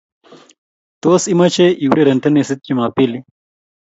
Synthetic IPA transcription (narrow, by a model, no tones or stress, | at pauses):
t̪osimat͡ɕeʔiwɾeɾɐɳʈ̪ʰɐnesit̪̚t͡ɕimapili